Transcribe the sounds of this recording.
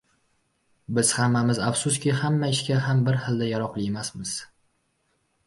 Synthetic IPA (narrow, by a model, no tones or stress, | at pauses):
bɪz̥hamːamɪzafsʊskʲɪhamːaɪʃkʲaɦambɪɾhɨlˠd̪ajaɾɒqlˠɪemasmɪz̥